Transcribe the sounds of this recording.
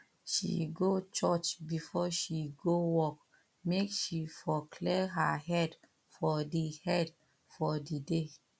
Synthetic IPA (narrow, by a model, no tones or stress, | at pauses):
ʃḭɡot͡ʃɔt͡ʃbifɔʃiɡowɔk̚ | mekʃifɔkʰlɛɦaɦɛd | fɔdihɛd | fɔdide